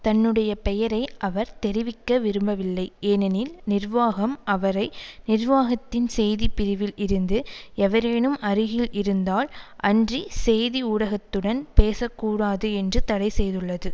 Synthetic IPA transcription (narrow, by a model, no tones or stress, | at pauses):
t̪ɐnːɯɽɐjɐpɛjɐɾɐɪʔɐʋɐɾt̪ɛɾɪʋɪkːɐʋɪɾɯmbɐʋɪlːɐɪeːnɛnɪlnɪrʋaːɣɐmʔɐʋɐɾɐɪnɪrʋaːɣɐt̪ːɪnsɛjðipɪɾɪʋɪlʔɪɾɯnd̪ɯɛʋɐɾeːɳɯmʔɐɾɯɣɪlʔɪɾɯnd̪aːlʔɐndrisɛjðiuːɽɐɣɐt̪ːɯɽɐnpeːsɐkːuːɽaːðɯɛndrɯt̪ɐɽɐɪsɛjðɯɭːɐðɯ